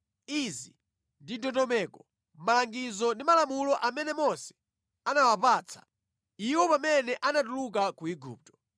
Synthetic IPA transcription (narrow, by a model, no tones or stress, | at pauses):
izi | ndidɔtɔmɛːkɔ | maaŋɡizɔndimalamulɔʔamɛnɛmɔsɛ̥ | anawapaːt͡sʰḁ̰ | iwɔpamɛnɛʔanatulukakuiɡṵːp̚tɔ̥